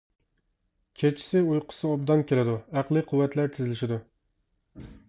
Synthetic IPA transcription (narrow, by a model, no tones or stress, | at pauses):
kʲʰet͡ʃʰːi̥sɪujqʰʊ̥sɨob̚d̪ɑnkʲʰelɪd̪uæqlˠɨqʰʊwːɛt̪læɾt̪ʰɪzɪlɪʃɪd̪u